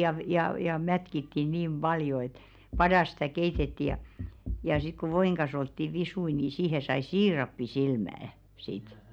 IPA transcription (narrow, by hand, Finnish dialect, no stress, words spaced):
jɑ ʋ jɑˑ jɑˑ jɑˑ mætkitːi niːm b̥ɑljo et pɑdɑs stæˑ keitetːi jɑˑ jɑ sik ku ʋoiŋ kɑ̃ːs oltːi ʋisui ni siːhe sɑi siːrɑpːisilmææ̆ sit